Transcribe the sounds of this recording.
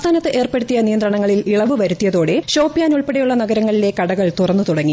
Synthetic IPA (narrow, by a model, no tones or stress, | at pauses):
st̪ʰaːnɐt̪ːɨʔe̞ːrpeɽut̪ːijɐnijɐnd̪rɐɳɐŋːɐɭiliɭɐʋɨʋɐɾut̪ːijɐðo̞ːɽe̞ɕo̞ːpːijaːnuɭpeɽejuɭːɐnɐɣɐɾɐŋːɐɭile̞kɐɽɐɣɐɭt̪urɐnːɨt̪uɽɐŋːi